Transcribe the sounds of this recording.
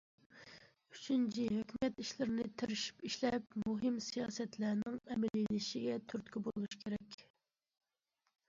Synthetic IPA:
y̥t͡ʃʰynt͡ʃʰiɦøkʲʰymɛt̪iʃlɪɾɪnɪt̪ʰɪɾɪʃi̥piʃlɛpmuɦɪmsijɑːsɛt̪lænɪŋɛmɛlilɪʃiɡʲɛt̪ʰyɾt̪kʲibolˠuʃkʲʰeɾɛkʲ

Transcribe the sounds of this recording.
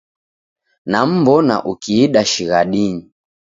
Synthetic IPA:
nam̩mbɔna̰ʔukiːɗaʃiɣaɗiɲi

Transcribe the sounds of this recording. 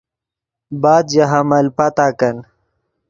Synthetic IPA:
baːd̪jaɦamɐlpat̪aːkɐn

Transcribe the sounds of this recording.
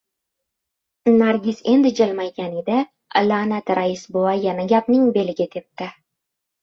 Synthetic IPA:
naɾɡʲise̞nd̪ɪd͡ʒalmajkʲaned̪ɪ | lanat̪ɾaisboajanaɡʲapnɪŋbe̞lɪɡʲɪt̪ʰe̞p̚t̪ɪ

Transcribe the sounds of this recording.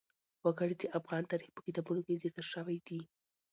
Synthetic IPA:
wəɡəɽit͡ʃeʔafɣɑnt̪aɾixpə̥kit̪ɑbunokezɪkəɾʃəwajd̪i

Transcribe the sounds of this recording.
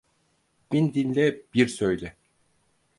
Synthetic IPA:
b̥ind̪inlʲɛb̥iɾsøjlʲɛ

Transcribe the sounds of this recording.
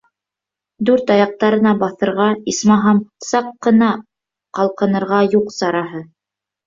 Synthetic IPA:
d̪ʉɾt̪ɑjɑq̚t̪ɑɾɤ̆nɑbɑθɤ̆ɾʁɑismɑɦɑmsɑqːɤ̆nɑ | qɑlˠqɤ̆nɤ̆ɾʁɑjuqsɑɾɑɦɤ

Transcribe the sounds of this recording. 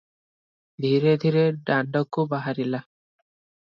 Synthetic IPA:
d̪ʱiɾed̪ʱiɾeɖaɳɖɔkubaɦaɾila

